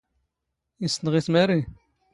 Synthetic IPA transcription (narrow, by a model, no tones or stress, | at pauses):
isnʁismæɾi